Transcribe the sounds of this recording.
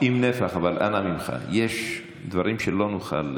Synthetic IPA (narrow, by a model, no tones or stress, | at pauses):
imnefaχavalʔa̰namimχa̰jeʃ | d̪vaɾimʃelo̞nuχa̰l